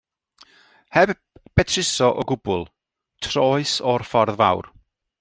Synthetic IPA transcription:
hɛb | b̥ɛtʰrɪsɔʔɔɡʊbʊlˠ | tʰrɔɨsɔrfɔrðva̰wr

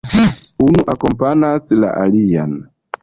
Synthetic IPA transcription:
unuʔakɔmpanasla̰ʔalijan

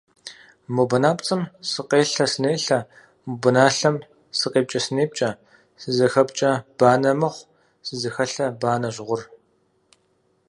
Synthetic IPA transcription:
mubɐnaːpt͡sʼɨmsɨqeːɬɐsɨneːɬɐ | mubɨnaːɬɐm | sɨqeːp̚t͡ʃʼɐsɨneːp̚t͡ʃʼɐ | sɨzɐxɐpt͡ʃʼɐb̥aːnɐmɨχʷ | sɨzɐxɐɬɐbaːnɐʒʁʷʊr

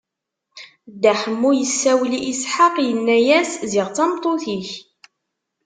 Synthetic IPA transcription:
d̪ːæħəmːujəsːæwliʔisħaqjənːæjæszɪʁt͡sɑmt̪ˤːoθiç

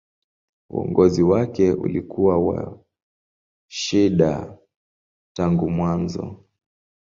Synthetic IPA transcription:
ṵɔ̰ŋɡɔziwakɛṵlikuwawa̰ | ʃiɗa̰ | taŋɡumwanzɔ̰

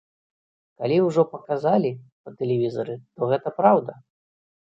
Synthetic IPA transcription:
kalʲiwʐɔpɐkazalʲipɐt̪ɛlʲɛvʲizɐɾɨt̪ɔɣɛt̪ɐpɾawd̪ɐ

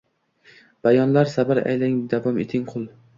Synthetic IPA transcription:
b̥ajɒnlaɾsabaɾa̰jlaŋd̪avɒmet̪ʰɪŋqʰʊlˠ

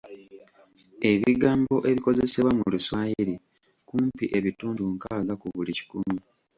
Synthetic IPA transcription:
e̞βiɡaːmbo̞ʔe̞βiko̞ze̞se̞βwamuluswaːjiɾi | kuːmpiʔe̞βituːnduŋkaːɡakuβulici̥kunu

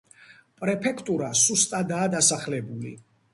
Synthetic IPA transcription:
pʼɾɛpʰɛkʰt̪ʼuɾasust̪ʼad̪aːd̪asaχlɛbuli

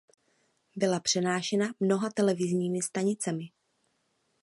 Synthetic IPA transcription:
bɪlapr̝̥ɛnaːʃɛnamno̞ɦat̪ɛlɛvɪzɲiːmɪst̪aɲɪt͡sɛmɪ

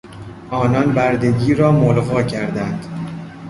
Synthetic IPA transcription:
ʔɒːnɒnbæɾd̪e̞ɡʲiːɾɒːmolɣɒːcʰæɾd̪ænd̪̥

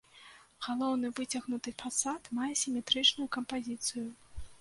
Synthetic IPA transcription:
ɣ̥alˠɔwn̪ɨvɨt͡sʲaɣnut̪ɨfasat̪majɛsʲimʲɛt̪ɾɨt͡ʂnʊjukɐmpazʲit̪sɨju

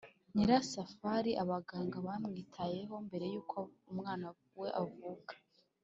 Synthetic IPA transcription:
niɾasafaɾiʔaβaɡaːŋɡaβamŋiːtʰaje̞ɦo̞mbe̞ɾe̞juːkʰoumŋaːnavuwe̞ʔavukḁ

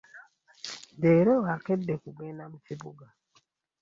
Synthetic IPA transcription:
deːɾoɣakɛdekubenam̩tibuɡa

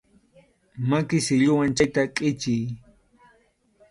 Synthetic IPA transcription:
makɪsɪʎʊwant͡ʃajt̪akʼɪt͡ʃɪj

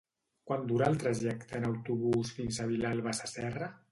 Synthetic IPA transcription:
kwand̪uɾaəlˠt̪ɾaʒɛkt̪əːnawt̪uβ̞usfinsaβilalˠβasasɛrə

